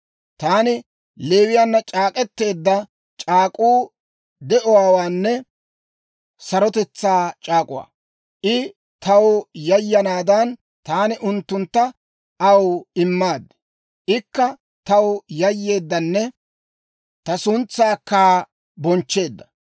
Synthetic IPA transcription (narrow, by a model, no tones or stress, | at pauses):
t̪aːnɪ | leːwɪjanːɐt͡ʃʼaːkʼɛt̪ːe̞ːd̪ːɐ | t͡ʃʼaːkʼuː | d̪ɛʔɔwaːwaːnːɛ | sɐɾɔt̪ɛt͡sːaːt͡ʃʼaːkʼʊwa̰ː | ʔɪ | t̪ɐwjɐjːɐnaːd̪ɐn | t̪aːnɪʔʊnt̪ːʊnt̪ːɐ | ʔɐwɪmːaːd̪ː | ʔɪkːɐ | t̪ɐwjɐjːe̞ːd̪ːɐnːɛ | t̪ɐsʊnt͡sːaːkːaː | bɔnt͡ʃːe̞ːd̪ːɐ̥